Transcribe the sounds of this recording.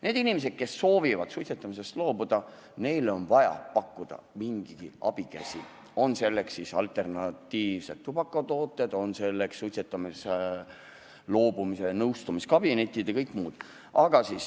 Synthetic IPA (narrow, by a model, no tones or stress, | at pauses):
ne̞ːd̪̥inimes̬e̞d̪̥̚ke̞sːo̞ːvivɑd̪̥sut̪ʲset̪ːˑɑmise̞st̪lo̞ːbud̪̥ɑ | ne̞jlo̞nvɑjɑ̰pɑkːud̪̥ɑ̰miŋɡ̥iɡ̥iɑ̰b̥ikæ̰sʲi | o̞nse̞lːe̞ksːisɑ̰lt̪ˑe̞rnɑt̪ːiːvse̞t̪t̪ːubɑkːˑot̪o̞ːt̪ːˑed̪̥o̞nse̞lːekssut̪ʲsʲet̪ːˑɑmis | lo̞ːbumisenɤwst̪umiskɑb̥ine̞t̪ʲːˑid̪̥ɑkɤjkːˑmuːd̪̥ | ʔɑɡ̥ɑsiːs